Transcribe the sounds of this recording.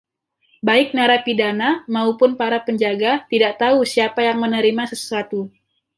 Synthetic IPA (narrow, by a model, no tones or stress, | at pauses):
baɪk̚naɾapidanamaupʊnpaɾapəɲd͡ʒaɡat̪idaʔt̪ausiapajaŋmənəɾimasəsuat̪u